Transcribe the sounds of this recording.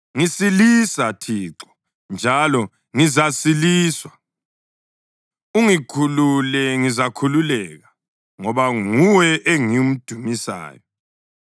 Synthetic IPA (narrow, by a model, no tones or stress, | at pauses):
ŋisilisatʰiːǁɔ̥ | nd͡ʒʱalɔ | ŋizasiliːswa | uŋikʰululɛŋizakʰululɛɣa | ŋɔβaŋuwɛʔeŋium̩d̥ʱumisa̰ːjɔ